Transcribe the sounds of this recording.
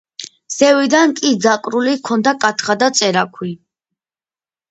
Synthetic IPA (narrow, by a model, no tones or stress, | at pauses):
z̥ɛvid̪ankʼid̪zakʼɾulikʰɔnd̪akʼat̪ʰχad̪at̪sʼɛɾakʰwi